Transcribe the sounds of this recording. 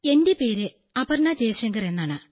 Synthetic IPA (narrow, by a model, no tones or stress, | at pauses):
e̞ndipe̞ːɾɨ | ɐbɐrɳɐdeːɕɐŋɡɐre̞nːaːɳɨ